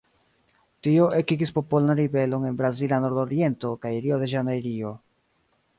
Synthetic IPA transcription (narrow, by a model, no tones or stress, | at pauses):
tio̞ʔekiɡispo̞po̞lanɾibe̞lo̞ne̞nbɾazilano̞ɾdo̞ɾie̞nto̞kajɾio̞de̞ʒanajɾio̞